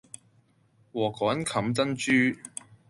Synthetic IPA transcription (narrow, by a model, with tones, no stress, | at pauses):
wɔː˨˩kɔː˨˥nkʰɐ˨˥mt͡sɐ˥nt͡ʃyː˥